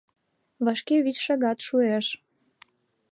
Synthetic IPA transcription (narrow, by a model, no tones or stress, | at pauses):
βɑʃkeβʲit͡ɕʃɑɣɑt̪ʃueʃ